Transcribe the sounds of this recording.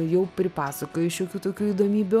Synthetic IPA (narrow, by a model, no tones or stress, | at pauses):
jɛʊpʲɾʲɪpɑːsɐkoːjɪʃjoːkʲuːt̪oːkʲuːid̪oːmʲiːbʲʊ